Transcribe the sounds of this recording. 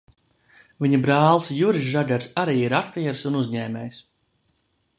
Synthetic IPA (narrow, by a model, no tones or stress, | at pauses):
viɲabɾaːlˠsjuɾʒaɡʲɛɾsaɾiːiɾakt̪iɛɾsunuzɲɛːmʲɛːjs